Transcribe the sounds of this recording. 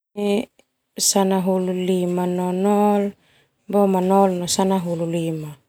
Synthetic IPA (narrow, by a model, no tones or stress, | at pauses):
i | sanaɦululimanonol | bomanolnosanaɦululima